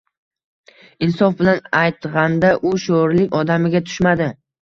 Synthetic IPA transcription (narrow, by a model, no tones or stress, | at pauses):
ɪnsɒfbɪlanajt̪ʁɑnd̪aʔʊʃoɾlɪkʲɒd̪amɪɡʲat̪ʰʊ̥ʃmad̪ɪ